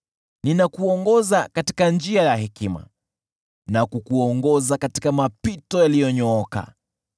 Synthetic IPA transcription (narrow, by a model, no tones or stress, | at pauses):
ninakuɔŋɡɔzakati̥kand͡ʒiajahɛkima̰ | nakukuɔŋɡɔzakati̥kamapitɔjalijɔɲɔɔka̰